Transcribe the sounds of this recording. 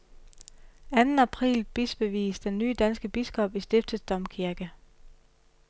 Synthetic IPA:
ænn̩æpʰʁḭːlb̥isb̥e̝ʋḭːsd̥enːyːd̥ænsɡ̥əb̥isɡ̥ɒ̽b̥isd̥e̝fd̥əsd̥ɒ̽m̰kʰiɐɡ̥ə

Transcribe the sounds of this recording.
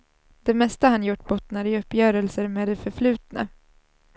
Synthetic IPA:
d̪̥ɛmɛst̪ahanjʊʈːbɔt̪ːnaɾɪɵpːjœːɾəlsəɾmeːd̪ɛfœɾflʉ̟ːt̪na̰

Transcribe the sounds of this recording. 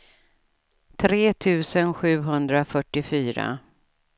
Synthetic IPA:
t̪ʰɾeːt̪ʰʉ̟ːsənɧʉ̟ːɦɵnd̪ɾafœʈːɪfyːɾa̰

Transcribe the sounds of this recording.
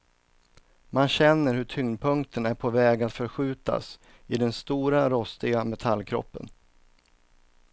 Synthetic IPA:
manɕɛnːəɾhɵʈʰʏŋnpʰɵŋk̚t̪ʰənæɾpʰɔvɛːɡat̪fœɾɧʉ̟ːt̪a̰s | ɪd̪ɛnst̪uːɾaɾɔst̪ɪɡamɛt̪ʰalːkʰɾɔ̰pːə̰n

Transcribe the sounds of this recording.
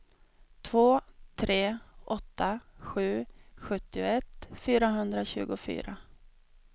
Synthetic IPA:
t̪ʰvoːt̪ʰɾeːʔɔt̪ːaɧʉ̟ːɧɵt̪ːɪʊɛt̪ːfyːɾaɦɵnd̪ɾaɕʉ̟ːɡʊfy̰ːɾa

